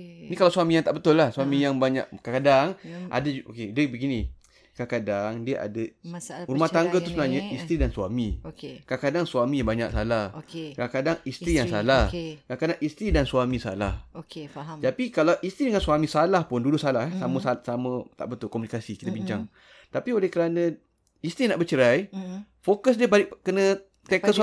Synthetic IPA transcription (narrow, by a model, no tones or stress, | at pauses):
nikalawsuamijaŋt̪aʔbət̪ʊlːahsuamijaŋbaɲa̰ʔ̚kakadaŋʔa̰daokedəbəɡinĩ | kakadaŋdiəʔa̰dəɾumaht̪aŋɡət̪usəbənaɲəist̪ɾidansuamikakadaŋsuamĩbaɲa̰ʔsalahkkakadaŋist̪ɾijaŋsalahkakadaŋʔist̪ɾidansuamĩsa̰lahokt̪apikalawʔist̪ɾidəŋansuamĩsalahpʊndudʊʔsalaɦɛsaməsasamə̃t̪a̰ʔbət̪ʊlkɔmunikasikit̪əbiɲt͡ʃaŋ | t̪apiolɛhkəɾanə̃ | ist̪ɾinaʔbət͡ʃəɾaj | fokəs̬diəbalɪʔkənə̃ | t̪ekəs